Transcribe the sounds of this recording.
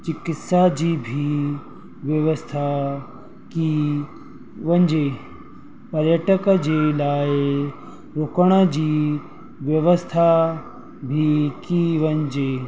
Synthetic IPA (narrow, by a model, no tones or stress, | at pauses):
t͡ʃikɪt̪sad͡ʒiːbʱi | ʋjəʋəst̪ʰa | ki | ʋɐɲd͡ʒeː | pɐɾjəʈəkəd͡ʒelaːje | ɾokəɽ̃əd͡ʑi | ʋjəʋəst̪ʰa | bʱikiʋəɲd͡ʒeː